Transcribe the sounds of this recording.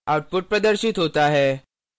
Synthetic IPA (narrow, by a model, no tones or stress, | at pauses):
awʈ̚puʈ̚pɾəd̪əɾɕit̪ɦot̪aɦɛ